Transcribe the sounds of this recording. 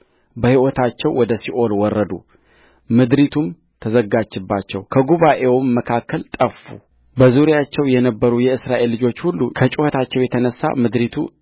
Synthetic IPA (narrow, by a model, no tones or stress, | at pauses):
bəhiwɔt̪ʰat͡ʃːɛwːɔd̪əsiʔo̞lwɔrːəd̪ṵ | mɨd̪ɾit̪ʰum | t̪ʰəzəɡad͡ʒːɪbːat͡ʃːɛwkʰəɡuβaʔe̞wmːəkʰakːəlt̪ʼəfṵ | bəzuɾijat͡ʃːɛwjɛnəbːəɾujɛɨsɾaʔe̞lːɨd͡ʒo̞t͡ʃːhulːukʰət͡ʃʼuhət̪ʰat͡ʃːɛwjɛt̪ʰənəsːa̰mɨd̪ɾit̪ʰṵ